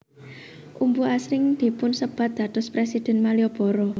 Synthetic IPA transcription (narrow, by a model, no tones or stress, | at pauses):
ʔumbuasɾɪŋd̪̥i̤pʊnsəb̥ät̪̚d̪̥ät̪ʊspɾesid̪̥ɛ̤nmaliɔb̥ɔ̤ɾɔ